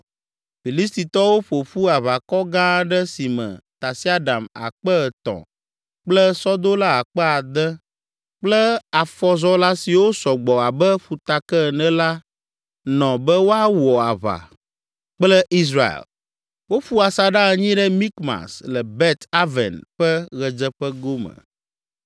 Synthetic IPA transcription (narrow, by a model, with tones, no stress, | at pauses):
fi˨li˦st̪i˨t̪ɔ˦wo˦ɸo˨ɸu˦a˨βa˨kɔ˦ɡã˦ɖɛ˦si˨mɛ̰̃˨t̪a˨si˦a˦ɖa˨ma̰˨k͡pə˦˨t̪ɔ̰̃˨ | k͡plɛ˦sɔ˦d̪o˦la˦a˨k͡pɛ˦a˨d̪ɛ˦ | k͡plə˦a˨fɔ˦zɔ˦la˦si˨wo˦sɔ˨ɡ͡bɔ˨a˨bɛ˦ɸu˨t̪a˨kɛ˦˨nɛ̃˦la˦ | nɔ̃˨bɛ˦wo˦a˦wɔ˨a̰˨βa̰˨ | k͡plɛ˦ʔi˦s̬ɾa̰˨l | wo˦ɸu˦a˨sa˨ɖa˦ɛ˨ɲĩ˦ɖɛ˦mĩ˦kma̰˨slə˨bɛ˦t̪a˦vɛ̰˨nɸɛ˦ɣɛ˨d͡ʒə˦ɸə˦ɡo˦mə̰̃˨